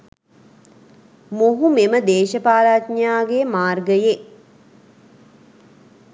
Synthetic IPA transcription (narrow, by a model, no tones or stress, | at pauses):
moɦumeməd̪eːʃəpaːlaːt̪ɲaːɡemaːrɡəje